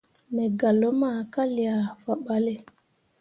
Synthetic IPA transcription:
mɛ˨ɡa˨lo˨˦ma˦˨ka˦li˨a˨fa˨ɓa˨˦le˦˨

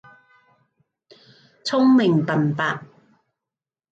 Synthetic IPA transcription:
t͡sʰʊ˥ŋmɪ˨ŋpɐ˨npaː˨t̚

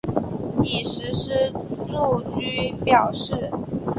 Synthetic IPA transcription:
ni˨˩ʂɻ̩˧˥ʂɻ̩˥ʈ͡ʂu˥˧t͡ɕy˥pjɑ˨˩ʊʂɻ̩˥˩

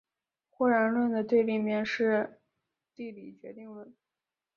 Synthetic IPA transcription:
xwɔ˥˩ɻa˧˥nlwə˥˩nd̪ə˩t̪we˥˧ɪli˥˩mjɛ˥˧nʂɻ̩˥˧ | t̪i˥˩li˨˩t͡ɕɥɛ˧˥t̪i˥˧ŋlə˥˩n

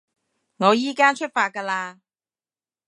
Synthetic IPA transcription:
ŋɔː˨˧jiː˥kaː˥t͡ʃʰɵ˥t̚faː˧t̚kɐː˧laː˧

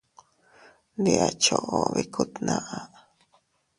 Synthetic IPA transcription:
ndi˧ʔa˧t͡ʃo˧˨ʔo˨βi˧kʰu˦t̪nã˧ʔa˧

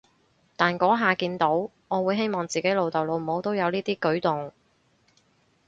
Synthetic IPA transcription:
t̪aː˨˩nkɔː˨˥ɦaː˨kiː˧nt̪o˨˥w | ŋɔː˨˧wuː˨˧˥jɦe˥jmɔː˨˩ŋt͡siː˨ke˨˥lo˨wt̪ɐ˨wlo˨˧wm̩˩˨˩ho˨˥wt̪o˥wjɐ˨˧wniː˥t̪iː˥kɵ˨˥ɥt̪ʊ˨ŋ

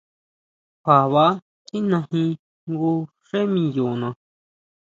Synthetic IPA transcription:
kʷa˨βa˧˦ | ti˦nã˧hĩ˧ | ŋɡu˧ | ʂe˦mĩ˧ju˨nã˧˨

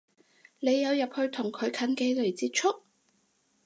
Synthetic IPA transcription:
le˨˧jːɐ˨˧wjɐ˨p̚hɵ˧ɥt̪ʰʊ˨˩ŋkʰɵ˨˧ɥkʰɐ˨˥nke˨˧jle˨˩jt͡siː˧t̚t͡ʃʰʊ˥k̚

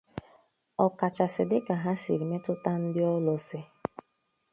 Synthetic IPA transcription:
ɔ˨ka˨t͡ʃa˨sɪ˨dɪ˦ka˨ɦa˦si˨ɾi˨me˦tʊ˦ta˦n̩˦dɪ˦ɔ˦lo˨sɪ˦

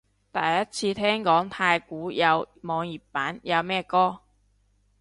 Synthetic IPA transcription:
t̪ɐ˨jːɐ˥t̚t͡sʰiː˧t̪ʰɛː˥ŋkɔː˨˥ŋt̪ʰaː˧jkuː˨˥jɐ˨˧wmɔː˨˧ŋji˨˩pːaː˨˥njɐ˨˧wmɛː˥kɔː˥

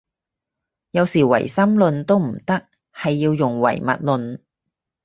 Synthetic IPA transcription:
jɐ˨˧wsiː˨˩wɐ̰˨˩jsɐ˥mlɵ˨˧nt̪o˥wm̩˨˩t̪ɐ˥k̚ | hɐ˨jːiː˧wjʊ˨ŋwɐ̰˨˩jmɐ̰˨t̚lɵ˨˧n

